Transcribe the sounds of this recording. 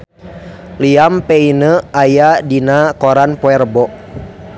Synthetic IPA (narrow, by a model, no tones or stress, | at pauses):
liampɛinəajadinakɔɾanpɔɛrbɔʔ